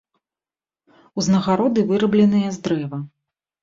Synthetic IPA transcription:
uznɐɣaɾɔd̪ɨvɨɾɐblʲɛnɨjɛzd̪ɾɛvɐ

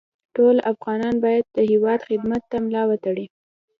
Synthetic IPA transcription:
ʈolafɣɑnɑnbɑjad̪̚ːəɦɪwɑd̪xɪd̪mat̪ːamlɑwat̪aɽi

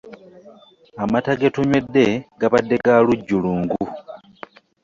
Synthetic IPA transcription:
amataɡetuɲwe̞dːe̞ɡaβadːe̞ɡaluɟːuluːŋɡu

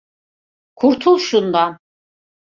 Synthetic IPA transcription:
kʰuɾt̪ʰulˠʃund̪a

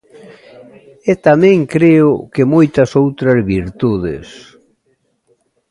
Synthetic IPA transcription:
et̪amɛ̃ŋkɾeʊkemojt̪ɐsowt̪ɾɐzβiɾt̪uðɪ̰s

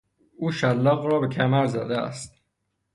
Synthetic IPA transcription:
uːʃælːɒːɣɾɒːbe̞cʰæmæɾzæd̪eæ̰st̪

